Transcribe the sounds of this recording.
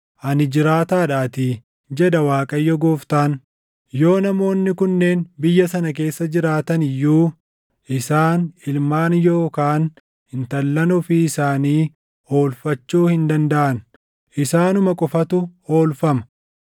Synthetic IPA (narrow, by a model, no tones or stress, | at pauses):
ʔɐnɪd͡ʒɪɾaːt̪aːᶑaːt̪ɪ | d͡ʒɛᶑɐwaːkʼɐjːɔɡoːft̪aːn | jo̞ːnɐmo̞ːnːɪkʊnːe̞ːnbɪjːɐsɐnɐk̬e̞ːsːɐd͡ʒɪɾaːt̪ɐnɪjːuː | ʔɪsaːnɪlmaːnjo̞ːkaːn | hɪnt̪ɐlːɐnʊfɪɪsaːniː | o̞ːlfɐt͡ʃːuːhɪnd̪ɐnd̪ɐʔɐn | ʔɪsaːnʊmɐkʼɔfɐt̪ʊo̞ːlfɐmɐ